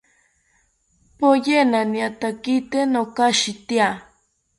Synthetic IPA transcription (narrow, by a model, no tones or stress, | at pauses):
pojenaniat̪akit̪enokaʃit̪ia